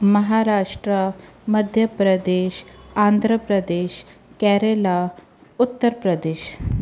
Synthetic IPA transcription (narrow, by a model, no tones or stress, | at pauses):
məɦaɾaːʂʈɾəməd̪ʱjəpɾəd̪eːʃãnd̪ʱɾəpɾəd̪eːʃkɛɾela | ut̪ːəɾpɾəd̪eːʃ